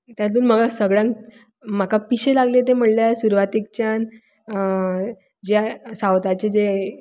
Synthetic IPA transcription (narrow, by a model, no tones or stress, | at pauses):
t̪jat̪uːnməɡasəɡɭjãŋk | m̤akapiɕelaɡlet̪em̤əɽljasuɾʋat̪ik̚t͡ɕjan | d͡ʑjasawt̪at͡ɕed͡ze